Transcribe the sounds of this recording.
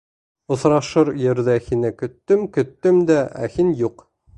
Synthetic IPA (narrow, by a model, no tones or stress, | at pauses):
ŏθɾɑʃɤɾjɘ̆ɾðæhinɘkɵ̆t̪ːɵmkɵ̆t̪ːɵmd̪æʔæ̰hinjuq